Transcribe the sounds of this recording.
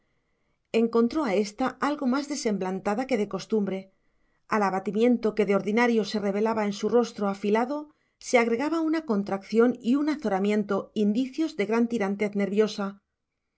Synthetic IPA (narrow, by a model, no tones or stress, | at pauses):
e̞ŋko̞nt̪ɾo̞ae̞st̪aʔalɣo̞mazðe̞se̞mblant̪aðake̞ðe̞ko̞st̪umbɾe̞ | alaβat̪imje̞nt̪o̞ke̞ðeo̞ɾðinaɾjo̞se̞re̞β̞e̞laβae̞nsuro̞st̪ɾo̞afilaðo̞ | se̞aɣ̞ɾe̞ɣaβaunako̞nt̪ɾakθjo̞niunaθo̞ɾamjẽ̞nt̪o̞ind̪iθjo̞zðe̞ɣɾant̪iɾant̪e̞θne̞ɾβjo̞sa